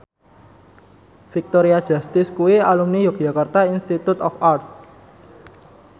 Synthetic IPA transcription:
fik̚t̪oɾiad̥ʒ̥a̤st̪ɪskuialumnijoɡ̥ʒ̥ä̤kart̪ainst̪it̪ut̪ɔfart̪̚

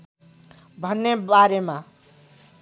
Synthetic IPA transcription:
bʱʌnːebaɾema

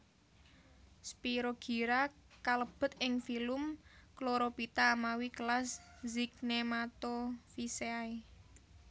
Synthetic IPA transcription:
spiɾoɡ̥i̤ɾa | kaləb̥ə̤t̪ɪŋfilʊmkloɾopit̪aːmawikəlaszik̚nemat̪ofiseai

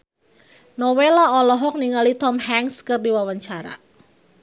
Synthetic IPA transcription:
nɔwelaɔlɔɦɔk̚niŋalit̪ɔmhaŋskɨrdiwawaɲt͡ʃaɾa̰

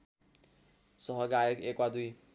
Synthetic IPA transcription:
sʌɦʌɡajekekwad̪uj

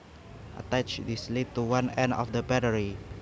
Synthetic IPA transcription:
ʔə̰t̪at͡ʃdislittːuwãnɛ̃ndɔ̰fdəbɛɾəɹi

